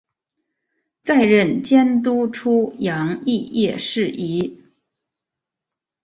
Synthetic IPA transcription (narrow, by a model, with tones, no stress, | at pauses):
t͡sa˥˧ɪɻə˥˩nt͡ɕjɛ˥nt̪u˥ʈ͡ʂʰu˥jɑ˧˥ŋi˥˧jɛ˥˧ʂɻ̩˥˩i˧˥